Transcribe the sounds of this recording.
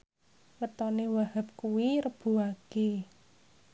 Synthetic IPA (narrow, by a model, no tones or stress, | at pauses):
wət̪ɔnewaɦəp̚kuwiɾəb̥ṳake